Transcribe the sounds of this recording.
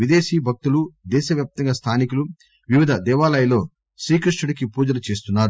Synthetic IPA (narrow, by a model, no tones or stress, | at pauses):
ʋid̪eːʃiːbʱɐk̚t̪ulud̪ɛːʃɐʋjaːp̚t̪ɐŋɡaːst̪ʰaːnikulu | ʋiʋid̪ʱɐd̪ɛːʋaːlɐjlo̞ː | ʃɾiːkɾuʂʈuɽikipuːd͡ʒɐlɐt͡ʃe̞ːst̪unːaːɾu